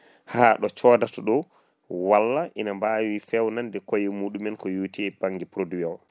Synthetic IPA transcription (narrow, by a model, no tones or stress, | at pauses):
haːɗɔt͡ʃɔdatɔɗɔ | walːaʔinambawifɛwnandɛkojimuːɗumɛnkɔjuːtʰɛb̥aŋɡɛpɾodiwɛw